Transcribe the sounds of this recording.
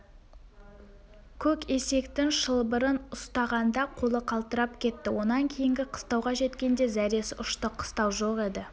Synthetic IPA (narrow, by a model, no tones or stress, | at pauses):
kʲʰɵke̞se̞kt̪ɪŋʃəlˠbəɾənʊst̪ɑʁɑnd̪ɑqʰo̞lˠəqʰɑlˠt̪əɾɑp̚kʲʰe̞t̪ːɪwo̞nɑŋkʲʰe̞jɪŋɡʲɪqʰə̥st̪ɑwʁɑʒe̞t̪kʲe̞nd̪e̞zæɾe̞sʊʃt̪əqʰːə̥st̪ɑwʒo̞qe̞d̪ɪ